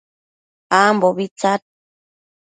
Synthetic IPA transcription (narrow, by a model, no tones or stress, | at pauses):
amboβit͡sat̚